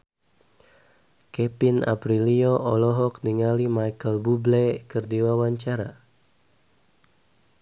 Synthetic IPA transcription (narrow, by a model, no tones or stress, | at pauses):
kɛpina̰pɾiliɔʔɔlɔɦɔk̚niŋalimajkəlbublɛkərdiwawaɲt͡ʃaɾa